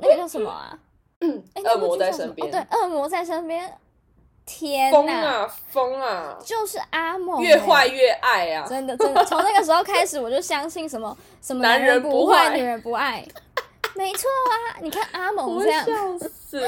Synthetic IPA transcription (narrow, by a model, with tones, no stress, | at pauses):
na˥˩ɡə˧˩jo˥˩ʊʂə˧˦mə̰˧ɐ̰˩˥ | e˥˩ə˥˩mɔ˧˦t͡sa˥˩ɪʂə˧npjɛɛ˦nwe˥˩ɪʔə˥˩mwɔ˧˥t͡sa˥˩ɪʂə˥npjɛ˥n | t̪ʰjɛ˥nɔ˥ə˧a˨fo˥ŋa˩t͡ɕjo˥˧ʊʂɻ̩˥˩ʔa˥mo˨˩ɥɛ˥˧xwa˥˧ɪɥɛ˥˧ʔa˥˩ɪɐ˩ʈ͡ʂə˦˥nd̪ə˨ə˥n˧t͡sʰŋna˥˩ɡə˩ʂ̬ɻ̩˧˥xo˥˩ʊkʰa˥ɪʂɻ̩˨˦wɔ˨˩t͡ɕjo˥˩ʊ˩ɕjɑ˥ŋɕi˥˩nʂə˧˥nmə˧ | ʂə˧˥nmə˨na˧˦nɻə˧˦npu˧˥˧xwa˥˧ɪi˨˩ɻə˧˦npu˧˥a˥˩ɪme˧˥ɪt͡sʰwɔ˥˩ɐ˩ni˨˩kʰa˥˩nʔa˥mo˨˩˧ə˥˧jɑ˥˩˧